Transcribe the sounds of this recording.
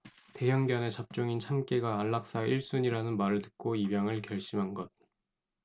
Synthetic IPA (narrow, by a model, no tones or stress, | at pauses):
te̞jʌŋbjʌne̞t͡ɕap̚t͡ɕ͈oŋint͡ɕʰamk͈eɡaːɭːak̚s͈aiɭs͈uɲiɾanɯnmaɾɯɭtɯ̥k̚k͈oibjaŋɯɭkjʌɭɕ͈imɦanɡʌt̚